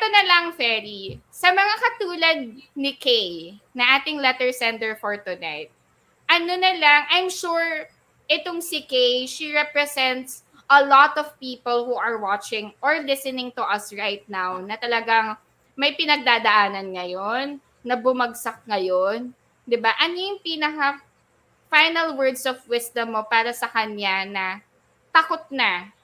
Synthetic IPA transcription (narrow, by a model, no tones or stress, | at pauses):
ɛt̪onɐlɐŋfɛɾisɐmɐŋakɐt̪uːlɐd̪̚nɪkejnɐŋʔaːt̪ɪŋlɛt̪ɛɹsɛnt̪ɛɹfɔɹt̪ʊna̰jt̪̚ | ʔɐnonɐlɐŋʔajmʃuɹ | ʔɪt̪oŋsɪkejʃiɹɛpɹɛsɛnt̪s | ɐlɔt̪ɔv̥piːpɔlhuʔɐɹwat͡ʃɪ̃ŋʔɔɹlɪsɛnɪ̃ŋt̪ʊʔɐsɹajt̪̚nawnɐt̪ɐlɐɡaŋ | mɐjpɪnɐɡ̚d̪aːd̪ɐʔaːnɐnŋɐjonː | ɐbʊmɐɡsɐk̚ŋɐjon | d̪ɪbaʔɐnojʊŋpiːnɐka | fajnɐlwɛɹd̪sɔvwɪsd̪ɐmːopaːɾɐsɐkɐnjanɐ | t̪ɐkot̪̚na